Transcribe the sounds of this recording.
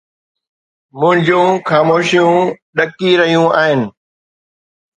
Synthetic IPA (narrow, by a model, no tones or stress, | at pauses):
mʊ̃ɦɪ̃ɲd͡ʑũxaːmoːʃijũːɗɐkiɾɐɦijũaːɦɪnɪ̆